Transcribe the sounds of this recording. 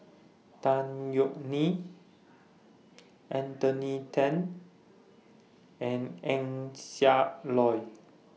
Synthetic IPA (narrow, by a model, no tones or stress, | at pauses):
t̪ãnjɔʔni | ʔɛ̃nt̪ɔnitʰɛ̃n | ɛ̃nɛ̃ŋsalɔj